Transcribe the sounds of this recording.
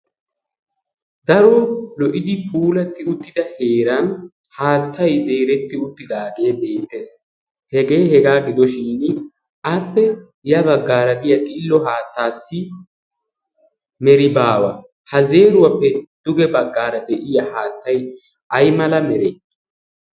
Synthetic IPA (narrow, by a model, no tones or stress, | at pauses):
d̪ɐɾolɔʔɪd̪ɪpʰuːlɐt̪ːɪʊt̪ːɪd̪ɐhe̞ːɾɐn | haːt̪ːɐjze̞ːɾɛt̪ːɪʊt̪ːɪd̪aːɡe̞ːbe̞ːt̪ːes | hɛɡe̞ːhɛɡaːɡɪd̪ɔʃiːn | ʔɐpːɛ | jɐbɐɡːaːɾɐɡ̪ɪjɐt̪ʼɪlːɔɦaːt̪ːaːsːɪ | mɛɾɪbaːwɐ̰ | hɐze̞ːɾʊwɐpːɛd̪̥ʊɡɛbɐɡːaːɾɐd̪ɛʔɪjɐhaːt̪ːɐj | ʔɐjmɐlɐmɛɾe